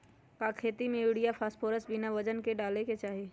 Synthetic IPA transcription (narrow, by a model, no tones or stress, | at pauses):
kakʰeːt̪imẽjuɽijapʰaːsʈpʰoːɾəsbinaʋəd͡ʒənkeɖaːleket͡ʃaːɦi